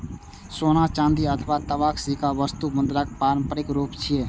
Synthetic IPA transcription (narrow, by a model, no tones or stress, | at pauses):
soːnat͡ʃãːnd̪iət̪ʰəʋat̪əʋaːkʰsikaʋəst̪ubə̃nd̪ɾakpaːɾə̃mpəɾɪkɾuːpt͡ʃʰieː